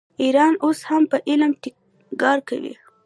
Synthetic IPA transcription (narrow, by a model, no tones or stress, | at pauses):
iɾɑnoshampəʔɪlmʈɪ | ɡɑɾka̰wḭ